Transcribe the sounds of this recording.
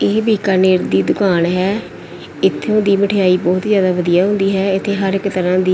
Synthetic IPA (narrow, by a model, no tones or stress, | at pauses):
eːbiːkəɾneːɾd̪iːd̪ʊkaːnɦɛː | ɪt̪ʰːeõːd̪iːməʈʰɪjaːiːbɔːt̪zjaːd̪aːʋəd̪ijaːɦʊ̃nd̪iːɦɛːɪt̪ʰːeːɦəɾɪkt̪əɾãːd̪iː